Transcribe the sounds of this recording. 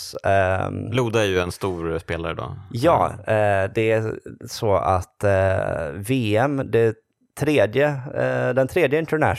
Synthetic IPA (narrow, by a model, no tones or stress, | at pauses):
luːd̪aæɾjɵɛnst̪uːɾspeːlaɾəd̪ɔ̰jɑ̰ːd̪ɛæsɔa̰t̪ː | veːɛmd̪ɛ | t̪ʰɾeːd̪jəd̪ɛnt̪ʰɾeːd̪jəɪnt̪əɳæ̰